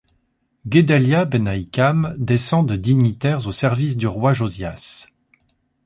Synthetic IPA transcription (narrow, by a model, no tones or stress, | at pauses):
ɡʲed̪aljabenaikamd̪esɑ̃d̪əd̪iɲit̪ɛʁzosɛʁvis̬d̪yʁwaʒozjas